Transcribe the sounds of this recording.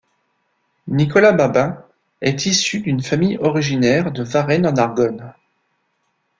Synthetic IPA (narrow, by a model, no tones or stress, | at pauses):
nikɔlababɛ̃ | ɛt̪ʰisyd̪ynfamijɔʁiʒinɛʁd̪əvaʁɛnɑ̃naʁɡɔn